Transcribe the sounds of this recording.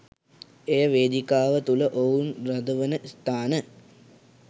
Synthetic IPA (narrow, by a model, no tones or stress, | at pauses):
ejəʋeːd̪ikaːʋət̪uləʔounrɐd̪əʋənəst̪ʰaːnə